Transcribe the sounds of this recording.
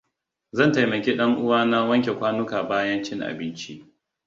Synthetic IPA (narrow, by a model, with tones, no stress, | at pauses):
zɐ˦˨nta˨jmɐ˨kʲiː˦ɗɐ˦ŋʔʊ˦waː˦na˦wɐ˦ŋkʲe˨kʷaː˦nʊ˦kaː˨baː˦jɐ˦nt͡ʃɪ˦ŋʔa̰˨bɪ˦nt͡ʃi˦ʔ